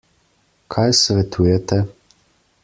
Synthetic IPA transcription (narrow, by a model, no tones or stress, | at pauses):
kʰajsvɛt̪ʰuːjɛt̪ʰɛ